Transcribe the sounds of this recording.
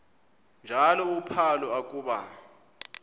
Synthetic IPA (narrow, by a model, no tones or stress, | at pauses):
nd͡ʒʱalɔupʰalɔakʼuːɓa